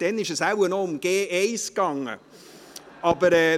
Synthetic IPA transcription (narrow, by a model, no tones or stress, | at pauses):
d̥ɛnɪʃəsawənɔʊmɡ̥eːʔeɪskɑŋə̰ | ɑbəɾɛː